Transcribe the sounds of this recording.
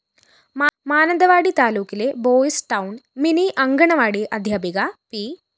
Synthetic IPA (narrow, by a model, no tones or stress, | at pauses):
maːnɐnd̪ɐʋaːɽit̪aːluːkileboːisʈɐwnminiʔɐŋɡɐɳɐʋaːɽiʔɐd̪ʱjɐbiɡɐpi